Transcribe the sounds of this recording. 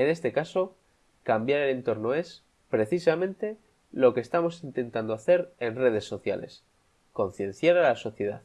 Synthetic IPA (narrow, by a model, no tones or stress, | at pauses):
e̞ne̞st̪e̞kaso̞ | kambjaɾe̞le̞nt̪o̞ɾno̞e̞s | pɾe̞θisamẽ̞nt̪e̞ | lo̞kest̪amo̞sint̪ẽ̞nt̪and̪oaθe̞ɾe̞nre̞ð̞e̞sːo̞θja̰le̞̰s | ko̞n̟θjẽ̞n̟θjaɾalaso̞θje̞ð̞a̰ð